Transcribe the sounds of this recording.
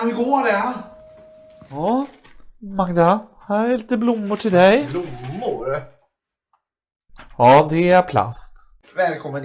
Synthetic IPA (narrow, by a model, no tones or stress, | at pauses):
nɡoːɖɛ | ɑː | maɡd̪ahæːɾɛɭiːt̪əblʊmːʊʈʰɪld̪ɛjblʊmːʊɾ | ɑːd̪ɛæɾpʰla̰st̪ | vɛːlkʰɔmːən